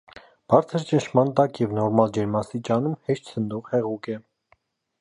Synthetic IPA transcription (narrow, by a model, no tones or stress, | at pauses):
b̥ɑɾt͡sʰəɾt͡ʃənʃʰmɑnt̪ɑkjɛvnɔɾmɑld͡ʒɛɾmɑst̪it͡ʃɑnumhɛʃt̪t͡sʰənd̪ɔʁhɛʁukɛ